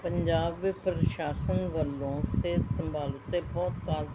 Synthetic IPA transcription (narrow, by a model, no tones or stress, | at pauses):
pəɲd͡ʒaːbʋɪpɾʃaːsənʋəlːõːseːt̪səmbaːlʊt̪ːeːbɔːt̪kaːl